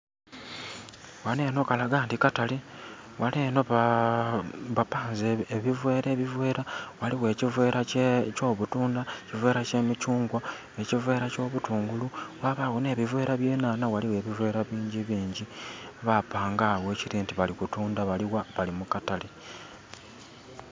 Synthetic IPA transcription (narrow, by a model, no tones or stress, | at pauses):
wale̞ːno̞kalaɡaːntikatali | waleːno̞ | βapaːnzeeβivwe̞ːɾe̞βivwe̞ːɾawaliwe̞ːcivwe̞ːɾʔaco̞ːβutuːndaecivwe̞ːɾace̞micuːŋɡwa | e̞civwe̞ːɾaco̞ːβutuːŋɡuluwaβaɣone̞ːβivwe̞ːɾʔaβjeːnaːnawaliwe̞ːβivwe̞ːɾaβiːɲɟiβiːɲɟiβapaːŋɡaːɣwe̞ːciɾiːntiβalikutuːndaβaliwaβalimukatali